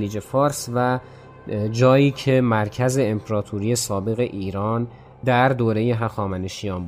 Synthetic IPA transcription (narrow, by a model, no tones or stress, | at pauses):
liːd͡ʒe̞fɒːɾsvæ | d͡ʒɒːjiːcʰe̞mæɾcʰæze̞ːmpʰeɾɒːt̪ʰuɾijesɒːbe̞ɣe̞ʔiːɾɒːn | d̪æɾd̪oːɾe̞jeɦæxɒːmæneʃijɒːmb